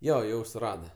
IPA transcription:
ˈjoː ˈjɛʊ sʊˈrɑːdɐ

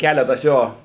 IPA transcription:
ˈkʲælʲɛtɐs ˈjoː

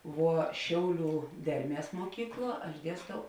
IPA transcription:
ˈʋuɔ ˈʃʲɛʊˌlʲuː ˈdʲɛrʲˌmʲiɛs muɔˈkʲiːkˌlˠuɔ ɐʃ ˈdʲiɛstɐʊ

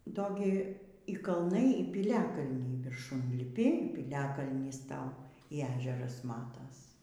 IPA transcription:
ˈdoː ɡʲɪ iː kɐlˠˈnɐɪ iː pʲɪˈlʲæːkɐlʲnʲɛɪ ʋʲɪrˈʃʊn lʲɪˈpʲɪ iː pʲiːlʲɛkɐlʲnʲiːs ˈtɐʊ iː ˈæːʒʲɛrɐs ˈmɑːtɐs

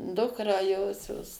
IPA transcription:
ˈdʊkrɑː ˈjoːsʲoːs

